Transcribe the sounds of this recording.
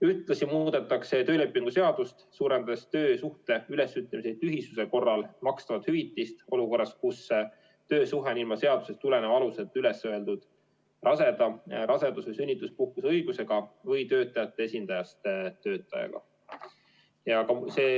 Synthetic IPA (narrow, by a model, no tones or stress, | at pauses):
yht̪ˑlɑsimuːd̪̥e̞t̪ːˑɑkse̞t̪ø̞ːle̞pːˑiŋɡ̥use̞ɑd̪̥ust̪suːɾe̞nd̪ɑd̪est̪ø̞ːsuht̪e̞yle̞syt̪ˑːemisejt̪t̪ːyɦisuse̞ko̞rːɑlmɑkst̪ɑvɑt̪hyvit̪ːˑist̪o̞luko̞rːɑskusː | t̪ø̞ːsuɦenilmɑse̞ɑd̪̥use̞st̪ule̞nevɑluse̞t̪ːˑyle̞sːøe̞ld̪ud̪̥ | rɑse̞d̪̥ɑɾʔɑse̞d̪usesynʲːit̪ːˑuspuhkusɤ̞jɡ̥use̞ɡ̥ɑvɯjt̪ø̞ːt̪ːˑɑjɑt̪ːˑe̞esʲind̪̥ɑjɑst̪t̪ːø̞ːt̪ːˑɑjɑ̰ɡ̥ɑ̰ | jɑkɑse̞ː